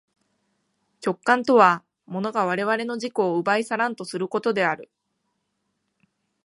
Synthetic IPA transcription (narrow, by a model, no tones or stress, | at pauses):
t͡ɕo̞kːãnt̪o̞β̞a | mo̞no̞ɡaβ̞aɾe̞β̞aɾe̞no̞ʑiko̞ːɯbaisaɾãnt̪o̞sɨɾɯ̟ko̞t̪o̞d̪e̞aɾɯ̟